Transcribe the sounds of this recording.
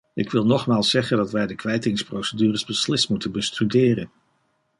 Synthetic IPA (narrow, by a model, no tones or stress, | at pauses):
ɪkʋɪlˠnɔχmaːlˠsːɛχəndɑtʋɛjdəkʋɛjtɪŋsprowsədyːrəzbəslɪstmutənbəstydɪːrən